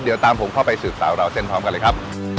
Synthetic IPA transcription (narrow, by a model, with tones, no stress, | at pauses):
di˨˩˦wt̪aː˧mpʰo˩˦mkʰa˥˩wpa˧jsɯː˨˩p̚saː˩˦wɾa˧wse˥˩npʰɾɔː˦˥mka˧nlɤː˧jkʰa˦˥p̚